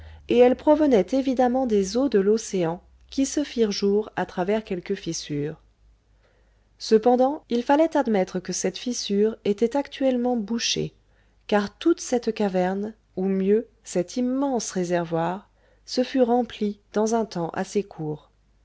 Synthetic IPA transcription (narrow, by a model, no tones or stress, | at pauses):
eɛlpχɔvənɛt̪evid̪amɑ̃d̪ezod̪əloseɑ̃ | kʲisəfiʁʒuʁat̪χavɛʁkʲɛlkəfisyːʁ | səpɑ̃d̪ɑ̃ilfalɛt̪ad̪mɛt̪χəkəsɛt̪fisyʁet̪ɛt̪akt̪ɥɛlmɑ̃buʃḛ | kaʁt̪ut̪sɛt̪kavɛʁn | umjø | sɛt̪ʰimːɑ̃sʁezɛʁvwaʁ | səfyʁɑ̃plid̪̥ɑ̃zɛ̃t̪ɑ̃ʔa̰sekʰuːʁ